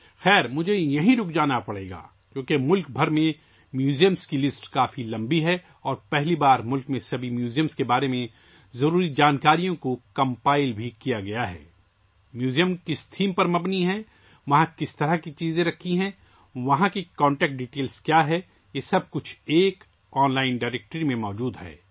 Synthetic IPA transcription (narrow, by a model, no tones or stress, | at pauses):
xɛːɾmʊd͡ʒʱejɐɦĩɾʊkʰd͡ʒaːnapɐɽḛːɡa̰ː | d͡ʒoːkemʊlk̚bʱɐɾmẽ | mjuːzijəmskilɪsʈkaːfilɐ̃mbiɦɛ | ɔːɾpɛɦlibaːɾmʊlkmẽsɐbʱimjuːzijəmskebaːɾemẽ | zɐɾuːɾid͡ʒaːnkaːɾijõkokɐ̃mpaːɪlbʱikijaɡɐjaɦɛ̰ː | mjuːzijəmkɪst̪ʰiːmpɐɾmɐbniɦɛ | ʋɐɦãkɪst̪ɐɾaɦkit͡ʃiːzẽɾɐkʰːiɦɛ̃ | ʋɐɦãkikɔ̃ːɳʈɛːk̚ʈ̚ɖiːʈeːlskjaːɦɛ | jeːsɐb̚kʊt͡ʃʰeːk | ɔːnlaːɪnɖaːɾeːk̚ʈɾimẽmɔːd͡ʒuːd̪ɦɛ̰ː